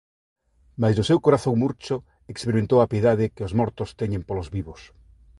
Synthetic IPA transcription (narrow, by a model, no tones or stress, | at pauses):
majzðʊsewkoɾaθoŋmuɾt͡ʃʊ | ekspeɾimẽnt̪owapjeðaðɪkɪozmɔɾt̪ʊst̪ɛɲẽmpolozβiβos